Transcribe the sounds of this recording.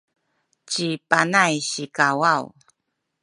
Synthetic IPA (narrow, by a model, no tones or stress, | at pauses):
t͡ɕipanajɕikawaw